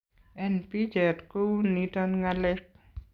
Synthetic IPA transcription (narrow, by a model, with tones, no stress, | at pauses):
ɛnpi˦d͡ʒɛ˨tko˦nitɔ˦nŋalɪk̚